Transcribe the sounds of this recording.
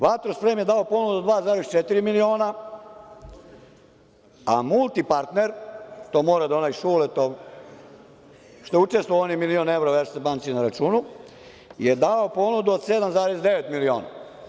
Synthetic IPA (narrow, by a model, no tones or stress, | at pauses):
ʋat̪ɾospɾeːmjed̪aopo̞ːnud̪uod̪ʋaːzaːɾest͡ʃet̪iɾimilio̞ːna | amulˠt̪ipaɾt̪neɾt̪omo̞ːɾad̪onajʃuːlet̪o | ʃt̪out͡ʃest̪ʋoonimilioːneʋɾoʋeɾssebaːnt̪sinaɾat͡ʃuːnu | je̞d̪aopo̞ːnud̪uod̪sed̪amzaːɾesd̪eʋe̞t̪milioːna̰